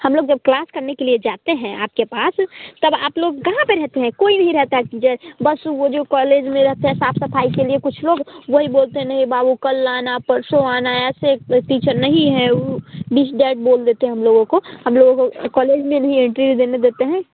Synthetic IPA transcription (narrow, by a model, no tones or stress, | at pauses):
hɐmloːɡd͡ʒɐb̚klaːskəɾnekelied͡ʒaːt̪eɦɛ̃a̰ːp̚kepaːst̪əbaːploːɡkɐɦãpeɾɛɦt̪eɦɛ̃koːinɐɦĩɾɛɦt̪aɦɛkid͡ʒɛbəsʋod͡ʒokɔːleːd͡ʒmẽɾɐɦt̪eɦɛ̃saːpʰsɐpʰaːikeliekʊt͡ʃʰloːɡʋɐɦiboːlt̪eɦɛ̃nɐɦĩbaːbukɐlːaːnapɐɾsoaːnaɛːseʈiːt͡ʃəɾnɐɦĩɦɛ̃ubiːsɖɛːʈ̚boːld̪eːt̪eɦɛɦɐmloːɡõkohɐmloːɡõkokɔːleːd͡ʒmẽnɐɦĩẽɳʈɾiud̪eːned̪eːt̪eɦɛ̃ː